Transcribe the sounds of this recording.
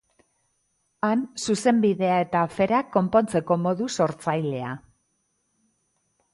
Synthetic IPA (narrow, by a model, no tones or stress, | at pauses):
ansuse̞mbiðe̞ae̞t̪afe̞ɾakːo̞mpo̞nt͡se̞ko̞mo̞ðuso̞ɾt͡sajle̞a